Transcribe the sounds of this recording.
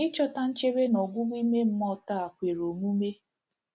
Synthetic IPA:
ɪ˦t͡ʃɔ˦ta˦n̩˦t͡ʃe˦ɾe˦nɔ˨ɡʷʊ˦ɡʷi˦me˦m̩˦mɔ˦ta˦˨a˨kʷe˨ɾo˨mu˦me˦

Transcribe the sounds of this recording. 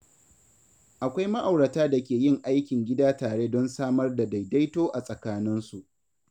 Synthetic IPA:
ʔa˨kʷa˦jma˦ʔa˨wɽɐ˨taː˦da˨kʲeː˨jɪ˦˨ŋʔa˦jkʲɪ˨ŋɡʲɪ˦daː˦taː˨ɽe˦dɔ˦nsaː˦mɐ˦rda˨da˨jda˦jtoː˦ʔa˨sʼɐ˨kaː˦nɪ˦nsu˨ʔ

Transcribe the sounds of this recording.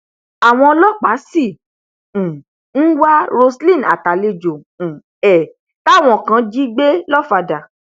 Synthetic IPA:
a˨w̃ɔ̃˧lɔ˦˨k͡pa˨˦sĩ˦˨ | n̩˦wa˦ɾo˧slĩ˦˨na˨ta˨le˧d͡ʒõ˨ | ɛ˨ | ta˦˨w̃ɔ̃˦˨kã˧˦d͡ʒi˦ɡ͡be˦lɔ˦˨fa˧da˨

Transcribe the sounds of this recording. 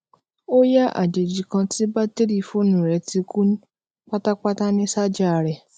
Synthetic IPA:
o˦ja˦ʔa̰˦˨d͡ʒe˨d͡ʒi˨kã˧ti˦ba˦te˦ɾi˦˨fo˦˨nũ˨ɾɛ˧ti˧ku˦n˦ | k͡pa˦ta˦k͡pa˦ta˦nĩ˦sa˦d͡ʒa˦˨ɾɛ˨

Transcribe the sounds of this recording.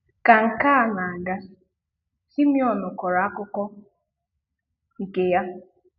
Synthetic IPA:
ka˨ŋ̩˨kaː˦a˨na˨a˨ɡa˦ | si˦mjɔ˨nʊ˨kɔ˨ɾa˨a˦kʊ˦kɔ˦ | i˨ke˦ja˦

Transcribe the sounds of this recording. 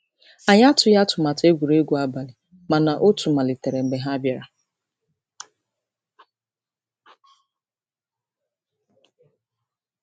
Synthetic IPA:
a˨ɲ˦a˦tʊ˨ja˦tʊ˨ma˨te˦ɡʷu˨ɾe˦ɡʷu˦a˦ba˨lɪ˨ | ma˨na˨ʔo˦tu˨ma˨lɪ˨te˨ɾe˨ŋ͡m̩˨ɡ͡be˨ɦa˦a˦bja˨ɾa˨

